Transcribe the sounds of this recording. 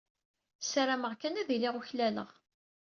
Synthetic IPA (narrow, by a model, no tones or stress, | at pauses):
saɾaməʁkænæðilɪʁuçlælə̰ʁ